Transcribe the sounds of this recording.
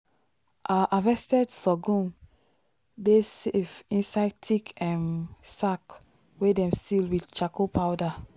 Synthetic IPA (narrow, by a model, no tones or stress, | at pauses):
ʔaʔavɛstɛdsɔɡũn | desevĩnsaɪdtʰikʰɛ̃nsak | wedɛ̃mstilwidt͡ʃakopʰawda